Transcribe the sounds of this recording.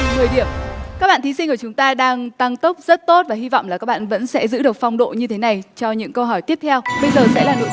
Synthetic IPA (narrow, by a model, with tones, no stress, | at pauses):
ŋɨ˨˩əjɗi˧˩əmaː˦˥ɓaː˧˨t̪ʰi˨˦si˧ŋ̟ku˧˩t͡ɕʊ˨˦ŋ͡mt̪aː˧ɗaː˧ŋt̪a˧ŋt̪ə˦˥wk͡p̚z̥ə˦˥t̚t̪o˦˥t̚vaː˨˩hi˧va̰˧˨wŋ͡mlaː˨˩ka˦˥k̚ɓa̰ː˧˨nvə̰˧˥nsɛ̰˧˥zɨ̰˧˥ɗɨ˨˩ək̚fa˧wŋ͡mɗo̰˧˨ɲɨ˧t̪ʰe˨˦na˨˩jt͡ɕɔ˧ɲɨ̰˧˥ŋkə˧wɦɔ˧˩jt̪i˦˥əp̚t̪ʰɛ˧wɓə˧jzəː˨˩sɛ̰˧˥laː˨˩no̰˧˨